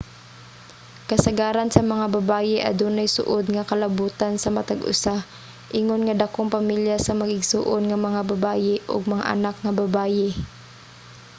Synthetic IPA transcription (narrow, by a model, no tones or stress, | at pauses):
kɐsɐɡaːɾɐnsɐmɐŋabɐbaːjɪʔɐ̰d̪unɐjsʊ̰ʔod̪̚ŋɐkɐlɐbuːt̪ansɐmɐt̪aɡʊ̰sa | ʔɪŋonŋɐd̪ɐkoŋpɐmiljasɐmɐɡɪɡsuːʔonŋɐmɐŋabɐbaːjɪʔo̰ɡ̚mɐŋa̰ʔɐ̰nak̚ŋɐbɐbaːjɪ